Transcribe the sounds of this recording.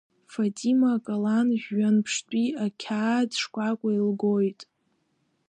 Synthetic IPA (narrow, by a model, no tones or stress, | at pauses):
fatʼimakʼalanʒʲːanpʰʂtʷʼiakʲʰaːdʂkʷʼakʷʼailɡojtʼ